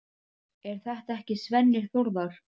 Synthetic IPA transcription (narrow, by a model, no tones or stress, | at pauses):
ɛɾ̥θɛht̪ɛhcɪsvɛnːɪɾ̥θoɾðaɾ̥